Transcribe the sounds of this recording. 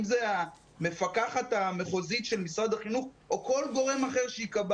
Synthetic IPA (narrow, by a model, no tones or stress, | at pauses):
mzea | me̞fakaχat̪ame̞χozitʃelmisʁad̪aχinuχ | oko̞lɡo̞ʁe̞maχe̞ʁʃeikab